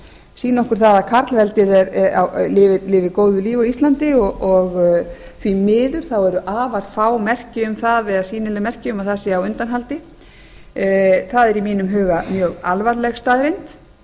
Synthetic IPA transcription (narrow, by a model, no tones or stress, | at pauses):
siːnɔhkʏɾ̥θaðakʰaɾt̪lvɛlt̪ɪðɛɾɛa̰wlɪvɪlɪːvɪkoːwðʏliːvawist̪lant̪ɪɔʔɔɣθvimɪːðʏɾ̥θawɛɾʏʔaːvaɾ̥faːwmɛr̥cɪʏmθaðvɛðasiːnɪlɪmɛr̥cɪʏmaθasɪawʏnt̪anɦalt̪ɪ | θaðɛɾimiːnʏmɦʏːɣamjœːɣa̰lvaɾlɛɣst̪aːðɾejnt̪